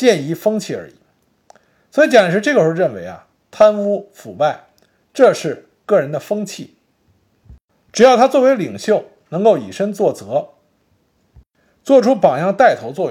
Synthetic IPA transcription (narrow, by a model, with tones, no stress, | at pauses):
t͡ɕjɛ˥˧ni˧˥˩fɤ˥ŋt͡ɕʰi˥˩ə̰˞˧˥ḭ˨˩ | swɔ˧˥i˧˥t͡ɕjn˨˩ʂɻ̩˧˥ʈ͡ʂɤ˥˩ɡə˩ʂɔ˥˧ɻə˥˩nwe˧˥ɪɐ̰˨˩ | t̪ʰa˥nfu˥fu˨˩pa˥˩ɪ | ʈ͡ʂɤ˥˧ʂɻ̩˥˧ | kɤ˥˩ɻə˧˥nd̪ə˨fɤ˥ŋt͡ɕʰi˥˩ | ʈ͡ʂɻ̩˨˩jɑ˥˩ʊt̪ʰa˥t͡swɔ˥˩we˧˥ɪli˨˩ŋɕjo˥˩ʊ | nɤ˧˥ŋko˥˩ʊḭ˨˩ʂə˥ŋt͡swɔ˥˩t͡sɤ˧˥ | t͡swɔ˥˩ʈ͡ʂʰu˥pɑ˨˩ŋjɑ˥˧ŋt̪a˥˩ɪt̪ʰo˧˥ʊt͡swɔ˥˩